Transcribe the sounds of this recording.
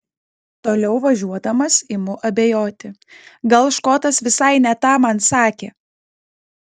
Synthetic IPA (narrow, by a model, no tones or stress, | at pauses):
t̪oːlʲɛʊʋɐʒʲuɔd̪ɐmɐsɪmʊʔɐbʲejoːt̪ʲɪɡɐlˠʃkoːt̪ɐsʋʲɪsɐɪnʲɛt̪ɑːmɐnsɑːkʲeː